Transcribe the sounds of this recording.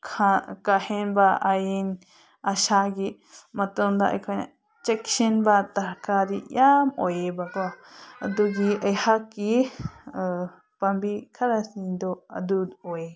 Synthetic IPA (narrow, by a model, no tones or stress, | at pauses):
kʰakahenbaajen | aʃaɡi | mat̪ond̪aʔkʰaɲã̰ | t͡ʃekʃenbat̪akad̪ijamojebakaad̪uɡiajhaki | pambikʰaɾasind̪oa̰d̪ud̪oe